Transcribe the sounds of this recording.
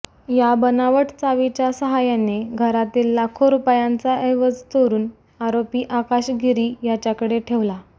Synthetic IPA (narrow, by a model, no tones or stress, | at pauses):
jabənaʋəʈt͡saʋit͡ɕjasəɦajaneɡʱəɾat̪iːlːakʰoɾupjant͡saeʋəd͡zt̪oɾuːn | aɾopiːʔakaɕɡʱiɾiːjat͡ɕjakəɽeʈʰeʋla